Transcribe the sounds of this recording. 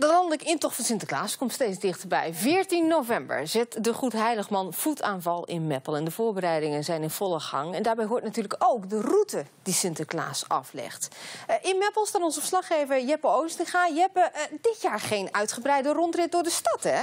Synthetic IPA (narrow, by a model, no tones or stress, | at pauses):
dəlɑndləkɪntɔχtfɑnsɪntəkla̰ːskɔmtstejt͡sd͡zdɪχtəɹbɛ̰jvɪːɹtinːowvɛmbə̰ɹzɪtdəχutɦɛjləχmɑnfutaːnvɑlˠɪ̰nmɛpəlˠɛndəvʊːɹbəɾɛjdɪŋənzɛjnɪnv̥ɔlˠəχɑ̰ŋɛndaːɹbɛjɦʊːɹtnatyːɹləkowkdərutədisɪntəkla̰ːsɑ̰flɛ̰χtʔɪnmɛpəlˠstaːnɔnzəfəslɑχejvəɹjɛpəowəstəχaːjɛpədɪtjaːɹχejnœɥtχəbrɛjdərɔntrɪt̚dʊːɹdəstɑtɛ